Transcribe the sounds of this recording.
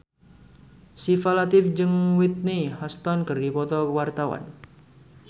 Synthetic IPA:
sifalat̪ɪfd͡ʒɨŋwit̪̚nihɔst̪ɔnkərdipɔt̪ɔkwart̪awa̰n

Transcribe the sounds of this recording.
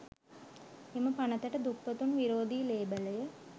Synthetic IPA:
eməpanət̪əʈəd̪ukpət̪unʋiɾoːd̪iːleːbələjə

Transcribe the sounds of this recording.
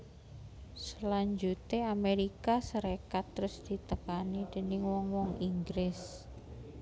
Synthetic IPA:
səlaɲd͡ʒut̪eameɾikasəɾekat̪ːɾʊsd̪̥i̤t̪əkanid̪̥ə̤nɪŋwɔŋwɔŋiŋɡɾɪs

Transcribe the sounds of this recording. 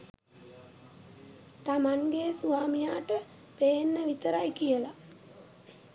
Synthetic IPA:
t̪amaŋɡesuaːmijaːʈə | peːnːəʋit̪əɾajkijəla

